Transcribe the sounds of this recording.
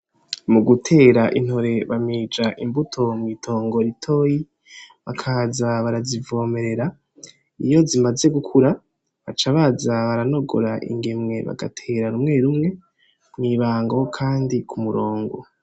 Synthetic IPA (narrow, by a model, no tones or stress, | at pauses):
muɡutʰe̞ːɾaʔin̥ho̞ɾe̞βamiːd͡ʒaʔimbutʰo̞mwitʰo̞ːŋɡo̞ɾitʰo̞ːji | βakʰazaβaɾazivo̞ːme̞ɾe̞ɾa | ijo̞zimaze̞ɡukʰuɾa | βat͡ʃaβazaβaɾano̞ɡo̞̰ɾaʔḭŋɡe̞mŋe̞βa̰ɡa̰tʰeːɾaɾumŋe̞ɾumŋe̞ | mwiβaːŋɡo̞kʰaːndikʰumuɾo̞ːŋɡo̞